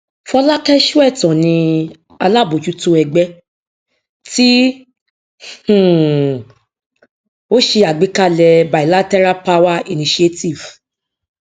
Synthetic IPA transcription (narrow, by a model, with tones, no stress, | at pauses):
fɔ˧la˦kɛ˦ʃu˦ɛ˦˨tɔ̃˨nĩ˧ | a˧la˦˨bo˨t͡ʃu˨˦to˧ɛ˨ɡ͡bɛ˦ | ti˦ | h̩˦˨ | o˦ʃe˧a˨ɡ͡bi˨˦ka˦˨lɛ˧ba˨i˨la˦tɛ˦ɾa˦pa˦wa˦i˧nĩ˧ʃe˦ti˦˨v̥